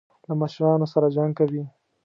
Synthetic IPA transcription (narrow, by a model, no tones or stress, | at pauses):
lamɑʃumɑnosaɾad͡ʒaŋɡ̚kawi